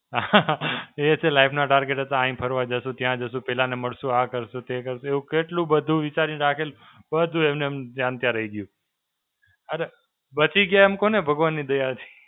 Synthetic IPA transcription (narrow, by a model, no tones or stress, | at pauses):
a | et͡ʃʰelaipʰnaʈaɾɡeʈət̪ãːĩpʰəɾʋad͡ʒəʃũt̪jãd͡ʒəsũpɛlaneməɽʃũakəɾʃũt̪ekəɾʃũeũkeʈlũbəd̪ʱũʋɪt͡ʃaɾinɾakʰelũ | bəd̪ʱũemnemd͡ʒãnt̪jaɾəiɡjũ | əɾe | bət͡ʃiɡjaeemkonebʱəɡʋanːid̪əjat̪ʰi̥